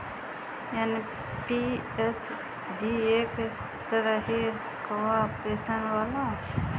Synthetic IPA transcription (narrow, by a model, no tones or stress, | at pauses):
jaːni | pi | es | ɖieːk | t̪əɾəɦi | kəʋapeːsənwaːla